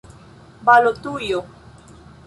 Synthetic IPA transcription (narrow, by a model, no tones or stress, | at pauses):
balot̪ujo